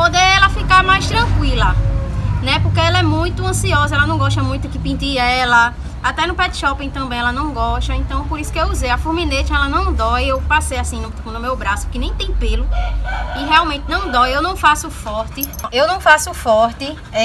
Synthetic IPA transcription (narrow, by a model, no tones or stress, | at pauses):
pod̪eɛlɐfikamajʃt̪ɾɐ̃kwilɐnɛpohkeɛlɐɛmũj̃t̪ʊɐ̃siɔzɐɛlɐnɐ̃w̃ɡɔʃt̪ɐmũj̃t̪kɪpĩd̪iɾɛlɐ | at̪ɛnʊpɛd̪ɪʃɔpẽt̪ɐ̃bẽj̃ɛlɐnɐ̃w̃ɡɔʃt̪ɐẽnt̪ɐ̃w̃poɾisʊ̥kɪewuzejafuɾminet͡ʃɛlɐnɐ̃w̃d̪ɔjewpasejasĩnʊ | nʊmewbɾasʊ̥kenẽj̃t̪ẽj̃pelʊɪɦɛawmẽnt̪ɪnɐ̃w̃d̪ɔjewnɐ̃w̃fasʊfɔɾt̪ɪewnɐ̃w̃fasʊfɔɾt̪ɪ | ɛ